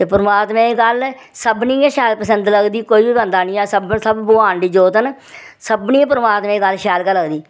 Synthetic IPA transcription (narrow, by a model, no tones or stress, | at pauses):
t̪eːpəɾəmaːt̪mẽːɡəl | səbniːẽʃɛːlpəsənd̪ləɡd̪iːkoːiːbiːbənd̪aːnĩːɛːsəbsəbːoãːɳɖiːd͡ʒoːt̪ən | səbnĩːpəɾəmaːt̪mẽːɡəlʃɛːlkələɡd̪iː